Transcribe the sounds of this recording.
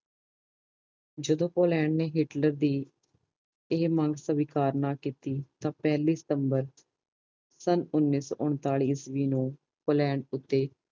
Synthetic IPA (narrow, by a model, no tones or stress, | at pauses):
d͡ʒəd̪õːpoːlɛːɳɖneːɦɪʈləɾd̪iː | ɪɦmə̃ŋɡsəʋikaːɾnaːkiːt̪iːt̪ãːpɛːliːsə̥t̪əmbəɾ | sənʊnːiːsɔ̰ːʔʊɳt̪aːɭiːsʋiːnũː | poːlɛːɳɖʊt̪ːeː